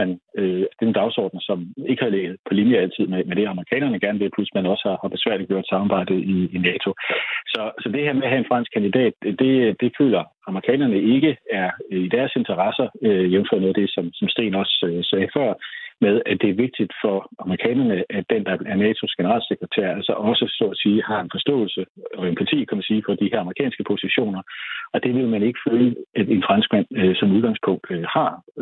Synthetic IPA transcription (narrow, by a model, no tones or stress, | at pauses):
ænød̥e̝̥end̥ɑ̈ʊsɒ̰ːd̥n̩sɒ̽me̝ɡ̥əhɑ̈leɡ̥ð̞̩ˠpʰɒ̽liːnjəæl̰t͡sʰið̞̰ˠmemeɾ̥e̝ɑməʁikʰɛ̰ːnɐnəɡ̥æɐnəʋe̝lpʰlusmænɒ̽sə̥hɑ̈hɑ̈b̥e̝sʋæɐ̰liɡjo̰d̥sɑ̈mɑb̥ɑ̈ɪ̰d̥əiːnɛːt͡sʰo̝sɒ̽sɒ̽d̥e̝hæɐmeæɦæe̝nfʁɑ̈n̰sɡ̥̚kʰænd̥id̥ɛ̰ːd̥d̥e̝d̥e̝fø̰ːlɐ | ɑ̈məʁikʰɛ̰ːnɐnəe̝ɡ̥əæɐid̥æɐse̝nt͡sʰɐʁɑ̈sɐøienfɒð̰ˠnɔːð̩ˠd̥esɒ̽msɒ̽msd̥e̝̰ːnɒ̽søsɛːfɶɐ̰með̞ˠæd̥e̝æɐʋe̝ɡ̥̚d̥id̥fɒ̽ɑ̈məʁikʰɛ̰ːnɐnəʔæd̥end̥ɑ̈æɐnɛːt͡sʰo̝sɡ̥enəʁɑ̰̈ːlseɡ̥ʁɐt͡sʰæ̰ɐ̰ælsɒʔɒ̽səsɔ̰ːæsiːhɑ̈e̝nfɒ̽sd̥ɔ̰̽ːlsəɒ̽empʰæt͡sʰḭːkʰæmænsiːfɒ̽d̥iheɐɑmʁikʰɛ̰ːnsɡ̥əpʰo̝siɕo̝̰ːnɐɒ̽d̥e̝ʋe̝lmæne̝ɡ̥ə̥føːləæd̥e̝nfʁɑnsɡ̥̚mæn̰øsɒ̽muðˠɡɑ̈ŋspʰɔ̽ŋ̰d̥hɑ̈